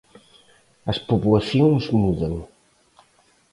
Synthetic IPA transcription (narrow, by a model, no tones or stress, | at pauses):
əspupulɐθjoŋzmuðɐŋ